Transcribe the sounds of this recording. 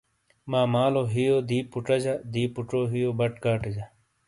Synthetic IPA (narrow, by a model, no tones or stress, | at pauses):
maːmaːloɦijoːd̪iːpuʈɐd͡ʑad̪iːpuʈoːɦijoːbɐʈkaːʈed͡ʑɐ